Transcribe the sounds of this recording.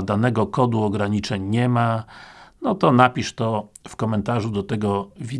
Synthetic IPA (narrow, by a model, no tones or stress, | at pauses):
d̪anɛɡɔkɔd̪uɔɡɾaɲit͡ʂɛɲɲɛma | nɔt̪ɔnapʲiʂt̪ɔfkɔmɛnt̪aʐud̪ɔt̪ɛɡɔvʲi